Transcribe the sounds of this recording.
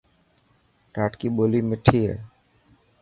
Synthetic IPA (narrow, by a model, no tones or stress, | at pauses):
ʈaʈkibolimiʈʰiḛ